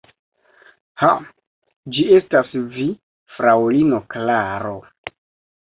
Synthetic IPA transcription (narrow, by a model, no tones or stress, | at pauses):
ha | d͡ʒie̞stasvi | fɾawlino̞klaɾo̞